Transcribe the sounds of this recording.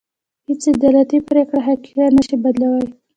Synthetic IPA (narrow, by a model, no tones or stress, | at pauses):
hɪt͡sɪd̪ɑlat̪ipɾekɽaɦakiɾanəʃibad̪lawaj